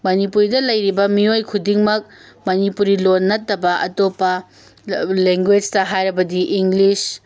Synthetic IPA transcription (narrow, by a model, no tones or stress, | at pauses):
mɐnipuɾidɐlɐjɾibɐmiojkʰudiŋmɐk̚ | mɐnipuɾilonːɐtːɐbɐʔɐ̰topːɐ | leŋɡwed͡ʒtɐɦajɾɐbɐdiʔiŋɡlis